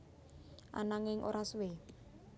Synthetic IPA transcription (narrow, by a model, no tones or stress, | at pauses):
ʔa̰naŋɪŋʔo̰ɾaswe